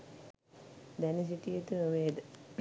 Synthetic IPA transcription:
d̪ænis̬iʈijet̪əʋeːd̪

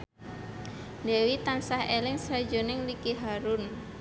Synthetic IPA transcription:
nɛwit̪ansahelɪŋsad͡ʒo̤nɪŋlikiɦaɾʊn

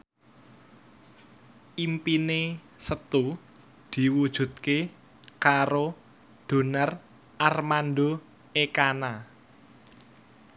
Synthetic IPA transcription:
ʔimpine | sət̪u | d̪̥i̤wud̥ʒ̥ṳt̪̚ke | kaɾo | d̪̥o̤nər | ʔarmand̪o | ekana

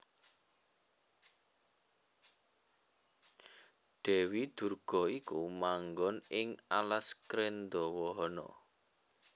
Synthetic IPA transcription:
ɖ̪̥ɛ̤wid̪̥ṳrɡ̥ɔ̤ikumaŋɡɔnɪŋalaskɾend̪ɔwɔɦɔnɔ̰

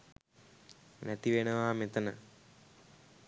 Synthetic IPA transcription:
næt̪iʋenəʋaːmet̪ənə

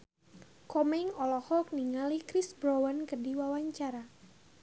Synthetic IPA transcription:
kɔmɛŋɔlɔhɔk̚niŋalikɾisbɾowankədiwawaɲt͡ʃaɾa

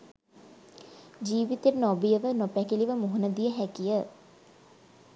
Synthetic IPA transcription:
d͡ʒiːʋit̪eɾnɔbijəʋənopækiliʋəmoɦunəd̪ijəɦækijə

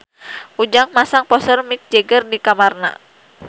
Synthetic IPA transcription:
ʔud͡ʒaŋmasaŋpɔsərmik̚d͡ʒɛɡərdikamarna̰

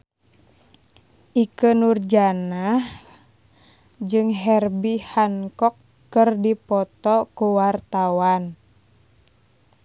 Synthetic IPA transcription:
ʔikənurd͡ʒanah | d͡ʒɨŋɦɛrbihaŋkɔkː | ɨrdipɔt̪ɔkuwart̪awan

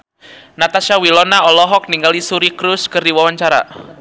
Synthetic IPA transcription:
nat̪aʃawilɔnaɔlɔɦɔk̚niŋɡalisuɾikɾʊskərdiwawaɲt͡ʃaɾa̰

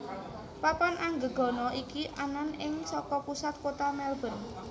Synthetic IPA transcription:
papanʔaŋɡəɡ̥ɔ̤nɔʔikiʔananɪŋsɔkɔpusat̪̚kot̪amɛlbə̤n

